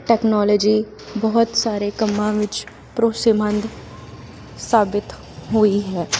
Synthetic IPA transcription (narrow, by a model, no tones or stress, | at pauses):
ʈɛːknɔːləːd͡ʒiː | bɔɦʊt̪saːɾekəmːãːʋɪt͡ʃ | pɾoːsemə̃nd̪ | saːbɪt̪ | ɦoiɦɛː